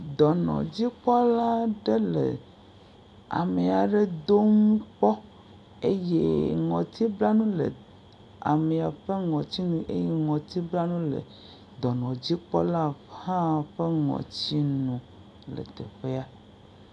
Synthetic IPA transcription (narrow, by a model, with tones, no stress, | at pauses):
d̪ɔ˨nɔ̰̃˨d͡ʑi˦k͡pɔ˦la˦ɖe˦lḛ˨ | a̰˨me˨a˨ɖe˦d̪o˦ŋũ˦k͡pɔ˦ | e˦jḛ˦ŋɔ̃˨t̪ʰi˦bla˦nũ˦lə̰˨ | a̰˨mẽ˨a˨ɸe˦ŋɔ̃˨t͡ɕi˦nũ˦ʔḛ˦je˦ŋɔ̃˨t̪i˦bla˦nũ˦lḛ˨ | d̪ɔ˨nɔ̃˨d͡ʑi˦k͡pɔ˦la˦hã˦˨ɸe˦ŋɔ̰̃˨t͡ɕi˦nũ˨ | lə̰˨t̪e˨ɸe˦a˦